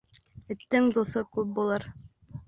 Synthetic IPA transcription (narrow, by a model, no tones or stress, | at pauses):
ɘ̆t̪ːɘŋd̪uθɤkʉp̚bulˠɤɾ